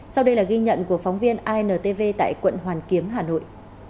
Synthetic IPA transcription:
sa˧wɗə˧jlaː˨˩ɣi˧ɲə̰˧˨nku˧˩əfa˨˦wŋ͡mvi˧ənʔaː˧jnəː˨˩t̪e˧ve˧t̪a̰ː˧˨jkwə̰˧˨nɦwaː˨˩nki˨˦əmɦaː˨˩no̰˧˨j

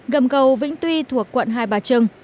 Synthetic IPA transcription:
ɣə˨˩mkə˨˩wvḭ˧˥ŋ̟t̪wi˧t̪ʰu˧˨˩əkːwə̰˧˨nɦaː˧jɓaː˨˩t͡ɕɨ˧əŋ

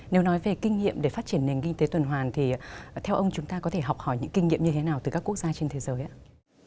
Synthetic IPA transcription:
ne˨˦wnɔ˨˦jve˨˩kï˧ŋ̟ŋḭ˧˨əmɗe˧˩faː˦˥t͡ɕi˧˩ənːe˨˩ŋki˧ŋ̟t̪e˨˦t̪wə˨˩nɦwaː˨˩nt̪ʰi˨˩t̪ʰɛ˧wʔə˧wŋ͡mt͡ɕʊ˨˦ŋ͡mt̪aː˧kɔ˨˦t̪ʰe˧˩ɦɔ˨˩k͡p̚hɔ˧˩jɲɨ̰˧˥ŋki˧ŋ̟ŋḭ˧˨əmɲɨ˧t̪ʰe˨˦naː˨˩wt̪ɨ˨˩kaː˦˥kːək̚zaː˧t͡ɕe˧nt̪ʰe˨˦zəː˨˦jʔaː˨˦˥

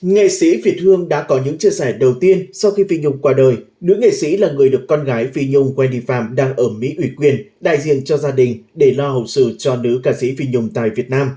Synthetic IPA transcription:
ŋḛ˧˨sḭ˧˥fi˨˩ət̚hɨ˧əŋɗa̰ː˧˥kɔ˨˦ɲɨ̰˧˥ŋt͡ɕi˧əsɛ˧˩ɗə˨˩wt̪i˧ənsa˧wxi˧fi˧ɲʊ˧ŋ͡mkwaː˧ɗəː˨˩j | nɨ̰˧˥əŋḛ˧˨sḭ˧˥laː˨˩ŋɨ˨˩əjɗɨ˨˩əkːɔ˧nɣaː˨˦jfi˧ɲʊ˧ŋ͡mkwɛ˧nɗḭ˧˨fa̰ː˧˨mɗaː˧ŋʔəː˧˩mḭ˧˥ʔwi˧˩kwi˨˩ənɗa̰ː˧˨jzḭ˧˨ənt͡ɕɔ˧zaː˧ɗï˨˩ŋ̟ɗe˧˩lɔ˧ɦə̰˨˩wsɨ̰˧t͡ɕɔ˧nɨ̰˧˦˥kaː˧˩sḭ˧˥fi˧ɲʊ˧˩ŋ͡mt̪a̰ː˧˨jvi˨˩ət̚naː˧m

